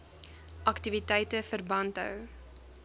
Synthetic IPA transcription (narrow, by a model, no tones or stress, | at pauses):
ʔɐktivitɛjtəfərbɐntɦœ̰w